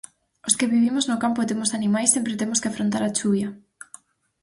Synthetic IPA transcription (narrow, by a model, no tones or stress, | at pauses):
oskɪβiβimoznʊkampʊet̪emosanimajsempɾet̪emoskɪafɾont̪aɾat͡ʃuβjɐ